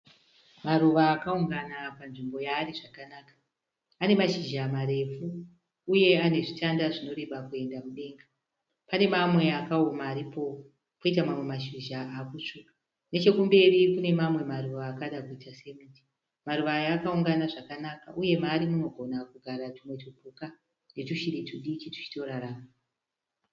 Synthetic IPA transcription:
maɾuʋaːkauŋɡanapanʐimbo̞jaːɾiʐakanaːkḁː | ne̞maʃiʒamaɾe̞fuː | je̞ane̞ʐitandaʐino̞ɾe̞ɓakue̞ndamuɗe̞ːŋɡa | pane̞mamwe̞akaomaːɾipo̞ | koitamamwe̞maʃiʒaakut͡ʂukḁ | net͡ʃe̞kumbe̞rikune̞mamwe̞maɾuʋaːkaɗakuitase̞miti̥ | maɾuʋajaːkauŋɡanaʐakanaka̰ʔuje̞maːɾimuno̞ɡʱo̞nakuɡʱaɾatimwe̞tubʱuka | ne̞tuʃiɾituɗit͡ʃitu̥t͡ʃi̥to̞ɾaɾaːma

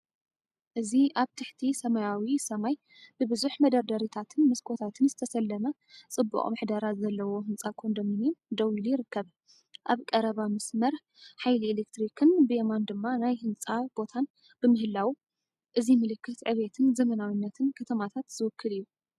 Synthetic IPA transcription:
ʔɨziʔaβt̪ʰɨħt̪ʰisɐmajawisɐmaj | b̥ɨbɨzuħmɐd̪ɐɾd̪ɐɾit̪ʰat̪ʰɨnmɐskʰo̞t̪ʰat̪ʰɨnzɨt̪ʰɐsɐlːɐmɐ | t͡sʼɨbːṵχʼmɨħd̪aɾat̪zɐlːɐwo̞ɦɨnt͡sʼakʰond̪omɨnjɪmd̪ɐwilujɪɾɨkːɐβ | ʔaβkʼɐɾɐβamɐsmɐɾ | ħajlielekt̪ɾikʰɨnbɨʔemand̪ɨmːanajhɨnt͡sʼab̥o̞t̪ʰan | bɨmɨhɨlːawu | ʔɨzimɨlɨkːɨt̪ʕɨβet̪ʰɨnzɐmɐnawinːɐt̪ʰɨnkʰɐt̪ʰɐmat̪ʰat̪z̥ɨwɨkʰːɨlijːu

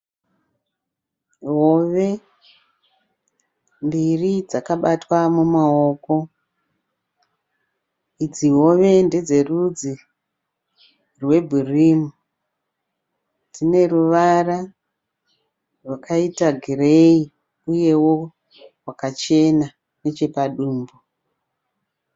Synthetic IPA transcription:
ɦoʋe̞ | mbirid͡zakaɓatwamumaoko̞ | id͡ziɦo̞ʋe̞nde̞d͡ze̞rud͡zi | rwe̞bʱurimu | d͡zine̞ruʋara | rwakaitaɡʱirei | uje̞wo̞ | rwakat͡ʃe̞na | ne̞t͡ʃe̞paɗuːmbo

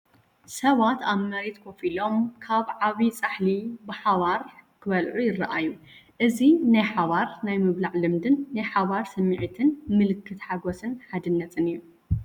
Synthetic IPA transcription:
sɐβat̪aβmɐɾet̪kʰo̞filo̞mkʰaβʕaβit͡sʼaħlibɨħaβaɾkʰɨβɐlʕujɪrːɐʔajːuʔɨzinajħaβaɾnajmɨβlaʕlɨmd̪ɨnːajħaβaɾsɐmːiʕit̪ʰɨnmɨlɨkʰːɨt̪ħaɡosɨnħad̪ɨnːɐt̪ʼɨnɨju

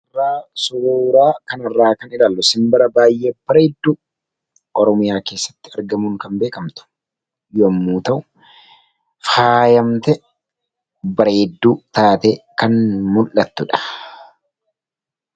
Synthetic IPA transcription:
ɐrːaːsʊɾuːɾaːkɐnɐrːaːkɐnɪlaːlːʊsɪmbɐɾɐbaːjʔeːb̥ɐɾeːd̪ːuː | ɔɾɔmɪjaːke̞ːsːɐ̥t̪ːɪɐɾɡɐmuːŋkɐmbe̞ːkɐmt̪ʊ̥ | jomːuːt̪ɐʔʊ | faːjɐmt̪ɛ | bɐɾeːd̪ːuːt̪aːt̪eːkɐnmʊlːɐt̪ːʊᶑɐ̥

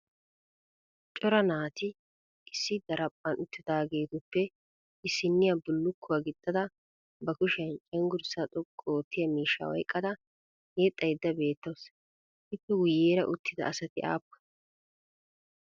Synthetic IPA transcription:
t͡ʃʼɔɾɐnaːt̪ɪ | ʔɪsːɪd̪ɐɾɐpʼːɐnʊt̪ːɪd̪aːɡeːt̪ʊpːɛ | ɪsːɪnːɪjɐbʊlːʊkʰːʊwɐɡɪt̪ʼːɐd̪ɐ | bɐkʊʃɛnt͡ʃʼɛŋɡʊɾsɐt̪ʼʊkʼːoːt̪ʰːɪjɐmiːʃːɐ̰wɔ̰jkʼːɐd̪ɐ | ɡeːt̪ʼːɐjd̪ːɐbe̞ːt̪ːɐws | ɪp̪ːɛwʊjeːɾɐ̰ʔʊt̪ːɪd̪ɐ̰ɐsɐt̪ɪʔa̰ːpːɐ̥

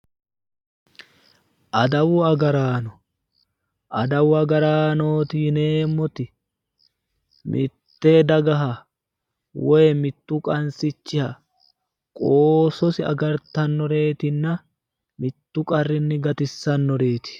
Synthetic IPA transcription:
ʔɐd̪ɐwʊɐɡɐɾaːnɔ | ʔɐd̪ɐwʊɐɡɐɾaːno̞ːt̪ine̞ːmːɔt̪ɪ | mʔɪ̰t̪ːe̞ːd̪ɐɡɐɦɐ | wejmɪt̪ːuːkʼɐnsɪt͡ʃːɪhɐ | kʼoːsɔsɪɐ̰ɡɐɾt̪ɐnːɔɾe̞ːt̪ɪnːɐ | mɪt̪ːukʼɐrːɪnːɪɡɐt̪ɪsːɐnːɔɾe̞ːt̪ɪ̥

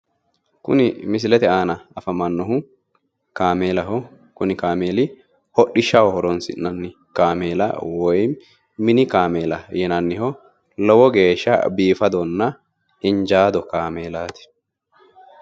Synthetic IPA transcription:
kʊ̰nɪmɪs̬ɪlɛt̪ɛaːnɐɐfɐmɐnːɔɦʊ | kaːmeːlɐɦɔ | kʊnɪkaːmeːlɪ | hɔɗːɪʃːɐwɔhɔɾɔnsɪ̰nːɐnːɪ | kaːmeːlɐ̰wɔjm | mɪnɪkaːmeːlɐjɛnɐnːɪhɔ | lɔwɔɡe̞ːʃːɐ̰biːfɐd̪ɔnːɐ | ɪnd͡ʒaːd̪ɔkaːmeːlaːt̪ɪ̥

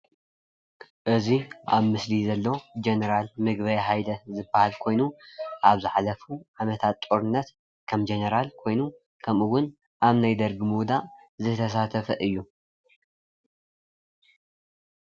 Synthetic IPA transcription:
ʔɨziʔa̰βmɨslizɐlːo̞d͡ʒenɐɾalmɨɡbɐjħajd̪ɐzɨbahalkʰo̞jnuʔaβzɨħalɐfuʕamɐt̪ʰat̪ːʼoɾɨnːɐt̪ | kʰɐmd͡ʒenɐɾalkʰo̞jnu | kʰɐmuwʊn | ʔaβnajd̪ɐɾɡɨmud̪a | zɨt̪ʰɐs̬at̪ʰɐfɐʔɨjːu

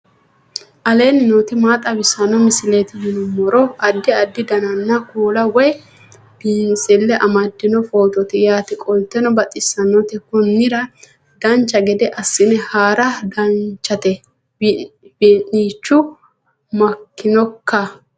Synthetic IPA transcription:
ʔɐle̞ːnɪnoːt̪ɪmaːt̪ʼɐbɪsɐnɔmɪsɪleːt̪ɪhɪnɔmɔɾɔɐd̪ːɪɐd̪ːɪd̪ɐnɐnːɐkuːlɐwɔj | b̥iːnt͡sʼɛlːɛʔɐmɐd̪ːɪnɔfo̞ːt̪ɔt̪ɪjaːt̪ɪkʼɔlt̪ːɛnɔbɐt̪ʼɪsːɐnːɔt̪ɪkʊnːɪɾɐ | d̪ɐnt͡ʃːɐɡɛd̪ɛʔɐsːɪnɛhaːɾɐd̪ɐnt͡ʃːɐt̪ɛ | biːniːt͡ʃːʊ | mɐkːɪnɔkːɐ

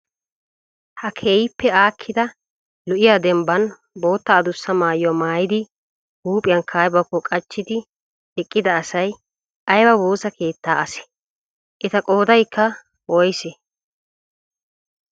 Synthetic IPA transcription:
hɐkʰeːjɪpːɛaːkʰːɪd̪ɐ | lʊʔɪjaːd̪ɛmbɐn | bo̞ːt̪ːɐːd̪ʊsːɐmaːjɔmaːjɪd̪ɪ | huːpʼɪjɐnkʰaːjbɐkːɔkʼɐt͡ʃːɪd̪ɪ | ɛkʼːɪd̪ɐːsɐj | ʔɐjbɐboːsɐkʰe̞ːt̪ːaːʔɐsɛ̥ | ʔɛt̪ɐkʼo̞ːd̪ɐjkːɐ | wɔjsɛ

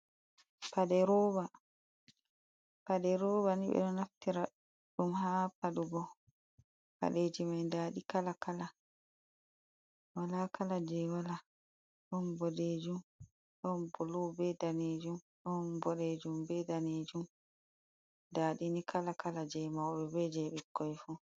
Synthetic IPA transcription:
padɛɾɔːba | paɗɛɾoːbaniɓɛ̰ɗɔnaftiɾa | ɗumhapaɗuɡɔ | pa̰ɗeːd͡ʒimajndaːɗikalakala | walakalad͡ʒɛwala | ɗɔnbɔɗed͡ʒum | ɗɔnbɔlɔbɛdaneːd͡ʒum | ɗɔnbɔɗeːd͡ʒumbɛdaneːd͡ʒum | daːɗinikʰalakalad͡ʒɛmawɓɛbɛd͡ʒɛɓɛkʰːɔjfu

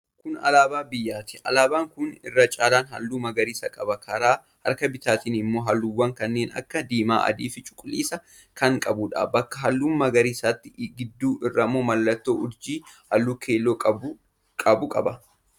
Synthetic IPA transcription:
kʊnɐ̰laːbaːbɪjːaːt̪ɪ̥ɐ̰laːbaːŋkʊnɪ̰rːɐt͡ʃʼaːlaːnhɐ̰lːuːmɐɡɐɾiːsɐkʼɐbɐkʰɐɾaː | hɐ̰ɾkɐbɪt̪aːt̪iːnɪmːo̞ːɦɐlːuwːɐŋkɐnːeːnɐ̰kːɐd̪iːma̰ːʔɐ̰d̪iːfɪt͡ʃʼʊ̥kʼʊliːsɐ | kɐŋkʼɐbʊᶑa̰ːbɐkːɐɦɐlːuːmmɐɡɐɾiːsaːt̪ːɪɡɪd̪ːuːʔɪrːɐmːoːmɐlːɐt̪ːoːʔʊɾd͡ʒiːhɐlːuːkʰe̞ːlːoːkʼɐb | kʼɐbʊkʼɐ̰bɐ

